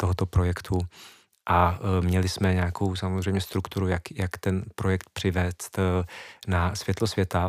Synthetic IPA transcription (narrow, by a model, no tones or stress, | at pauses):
t̪o̞ɦot̪o̞pɾo̞jɛkt̪ʰu | ʔamɲɛlɪsmɛɲɛako̞wsamozr̝ɛjmɲɛst̪ɾukt̪uɾujakjakt̪ɛnpɾo̞jɛkt̪pr̝̥ɪvɛːst̪ | nasv̥jɛt̪losvjɛt̪a